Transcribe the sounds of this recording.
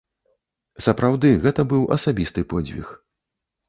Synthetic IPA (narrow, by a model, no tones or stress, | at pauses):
sɐpɾawd̪ɨɣɛt̪ɐbɨwɐ̰sabʲist̪ɨpɔd͡zʲvʲḭx